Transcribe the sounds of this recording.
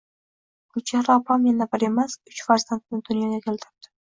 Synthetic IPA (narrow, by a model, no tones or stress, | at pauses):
ɡʊt͡ʃʰaɾɒpʰamjanabɪɾe̞masʊt͡ʃfaɾzant̪̚nɪd̪ʊnjɒɡʲakʲʰelt̪ʰɪɾɪ̥p̚d̪̥ɪ̥